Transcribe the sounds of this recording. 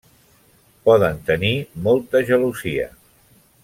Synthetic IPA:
pɔðənt̪ənimɔlˠt̪əʒəluziə̰

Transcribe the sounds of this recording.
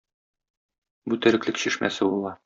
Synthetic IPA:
but̪æɾɘ̆klɘkɕiʃmæ̰sɘbulˠɑ

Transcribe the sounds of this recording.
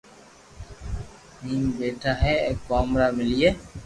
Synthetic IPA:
miːmbeːʈʰaːɦeːekːaːmɾaːmɪlije

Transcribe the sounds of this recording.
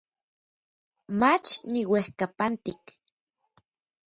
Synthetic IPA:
mat͡ʃniwehkapant̪ik

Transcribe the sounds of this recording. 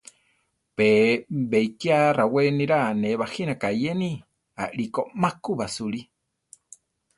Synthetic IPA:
peβeikiaraweniɾaneβahinakajeni | a̰ʔɺikomakuβasuɺi

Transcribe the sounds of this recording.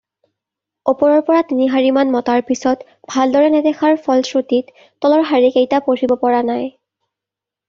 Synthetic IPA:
opɔɹɔɹpɔɹatiniɦaɹimanmɔtaɹpisɔt | b̥ʱaldɔɹɛnɛdɛxʰaɹfʰɔlsɹotitː | ɔlɔɹɦaɹikejtapoɹibɔpɔɹanaj

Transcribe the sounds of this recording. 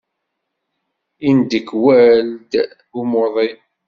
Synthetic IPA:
ind̪əkːwæld̪ | umoðˤi

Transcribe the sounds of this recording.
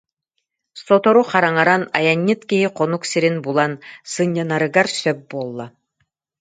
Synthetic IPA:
sɔt̪ɔɾuχaɾaŋaɾanajaɲːɯt̪kiɦiqɔnuksiɾinbulˠansɯɲːɯnaɾɯɡaɾsœp̚buɔlˠːa

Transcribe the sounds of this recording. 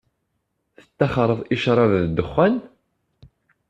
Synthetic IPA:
θə̥t̪ːæχɾˤəðˤiʃɾˤɑvðd̪əχːæn

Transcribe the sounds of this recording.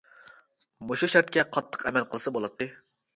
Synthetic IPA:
moʃuʃæɾt̪̚kʲɛqʰɑt̪ʰːə̥qɛmɛlqʰəlˠɨsɑbolˠɑt̪ʰːɨ

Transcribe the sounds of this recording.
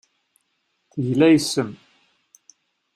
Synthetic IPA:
θəʝlæjsəm

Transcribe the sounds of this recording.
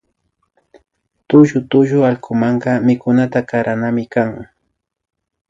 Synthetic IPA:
t̪ʊʒʊt̪ʊʒʊalkʰʊmɑɴɢɑmɪkʊnat̪akaɾanamɪkaŋ

